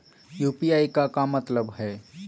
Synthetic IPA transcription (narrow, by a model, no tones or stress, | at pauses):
jupiaːikakamət̪ləbɦɛ